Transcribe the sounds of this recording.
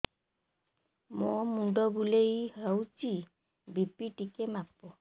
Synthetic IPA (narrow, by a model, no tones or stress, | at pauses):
momuɖɔbulejawt͡ʃi | bipiʈikemapɔ